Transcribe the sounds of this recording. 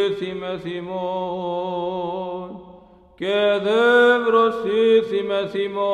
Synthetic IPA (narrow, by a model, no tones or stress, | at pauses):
simesimo | n | ked̪emɾosisimɛsimo